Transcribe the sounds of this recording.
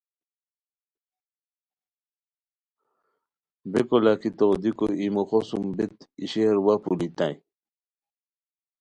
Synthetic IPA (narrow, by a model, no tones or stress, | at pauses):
bekolakit̪od̪ikoimoxosumbet̪ḭɕeɾwapulit̪ãj